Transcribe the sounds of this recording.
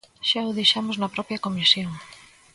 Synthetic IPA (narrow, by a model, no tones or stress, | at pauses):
ʃaʊðejʃamʊznɐpɾɔpjɐkomisjoŋ